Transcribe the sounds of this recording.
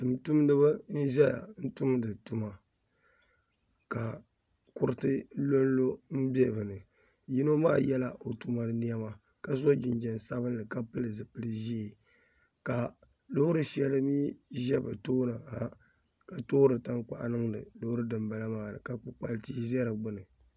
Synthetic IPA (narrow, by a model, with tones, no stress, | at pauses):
tu˨mtu˦m˦dɨ˦ba˦n̩˦ʒɛ˦ja̰˨n̩˦tu˦m˦dɨ˨tu˦ma˨ | ka˨ | kʊ˦ɾɨ˦tɨ˦lo˦n˦lo˦m̩˦bɛ˦˨bɨ˨nɨ˨ | ji˦no˦ma̰ː˦jɛ˦la˦ʔo˨tu˦ma˨nɨ˦ni˦ɛ˦ma˦ | ka˨zo˦d͡ʒɪ˨nd͡ʒɛ˨n˨sa˦βɨ˦n˦lɨ˨ka˦pɨ˦lɨ˨zɨ˨pɨ˦lɨ˦ʒi˦e˨ | ka˨ | lo˦hʊ˦ɾɨ˦ʃɛ˦lɨ˦miː˦ʒɛ˦ba˨toː˦na˨ha˦ | ka˨to˦ɾɨ˨ta˦ŋk͡pa̰˨ʔnɨ˦ŋdɨ̰˨lo˦hɾɨ˦dɨ˨mba˨la˦maː˦˨nɨ̰˨ka˨k͡pɨ˨k͡pa˦lti˦zɛ˦ɾa˨ɡ͡bʊ˦nɨ˨